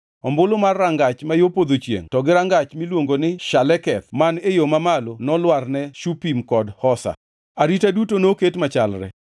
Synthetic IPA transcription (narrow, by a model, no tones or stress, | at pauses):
ɔmbʊlomarːaŋɡat͡ʃmajopod̪ot͡ʃjḛŋtɔɡɪɾaŋɡat͡ʃmilwoŋɡonɪʃalɛkɛt̪manejomamalonɔlwarnɛʃupimkɔdhɔsa̰ | aɾitadutonoketmat͡ʃalɾɛ̰